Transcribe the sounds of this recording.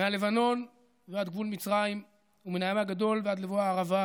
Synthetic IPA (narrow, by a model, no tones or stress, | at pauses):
meale̞vano̞n | vead̪ɡvulmit͡sʁaim | umenajamhaɡad̪o̞lvead̪levoaːʁava